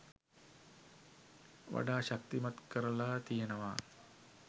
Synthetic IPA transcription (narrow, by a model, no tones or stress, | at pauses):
ʋa̰ɖaːʃak̚t̪imat̪kəɾəlat̪ijenəʋaː